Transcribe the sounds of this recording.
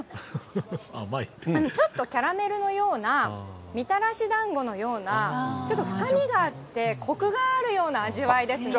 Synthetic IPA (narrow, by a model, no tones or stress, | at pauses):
a̰maiano̞t͡ɕo̞t̪ːo̞kʲaɾame̞ɾɯ̟no̞jo̞ːnamʲit̪aɾaɕid̪ãŋɡo̞no̞jo̞ːnat͡ɕo̞t̪ːo̞ɸɯ̟̥kamʲiɡaːt̪ːe̞kʰo̞kɯ̟ɡaːɾɯ̟jo̞ːnaːʑiβaid̪e̞sɨ